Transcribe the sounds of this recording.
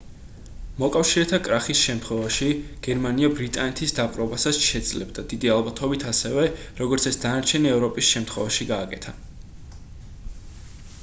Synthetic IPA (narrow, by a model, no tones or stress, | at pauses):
mɔkʼafʃiɾɛt̪ʰakʼɾaχisʃɛmt̪ʰχwɛvaʃiɡ̥ɛɾmaniabɾit̪ʼanɛt̪ʰisd̪apʼɾɔbasasʃɛd̪z̥lɛbd̪ad̪̥id̪ialˠbat̪ʰɔbit̪ʰasɛvɛ | ɾɔɡɔɾt̪sʰɛsd̪anaɾt͡ʃʰɛniɛvɾɔpʼisʃɛmt̪ʰχwɛvaʃiɡaːkʼɛt̪ʰa